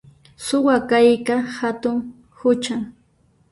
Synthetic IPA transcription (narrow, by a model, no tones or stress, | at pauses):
sʊwakajkahat̪ʊŋ | hʊt͡ʃaŋ